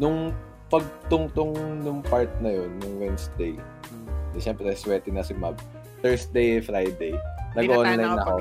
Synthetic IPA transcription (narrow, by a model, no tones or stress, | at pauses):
nʊŋ | pɐɡ̚t̪ʊŋt̪ʊŋnʊŋpaɹt̪̚nɐjo̞nːʊŋwɛnsd̪ej | d̪ɛʃɛmpɾɛɐswɛːt̪ɪnɐsɪmab̚ | t̪ɛɹsd̪ejɛfɾajd̪ejnɐɡoʔʔonɐlɐŋnɐko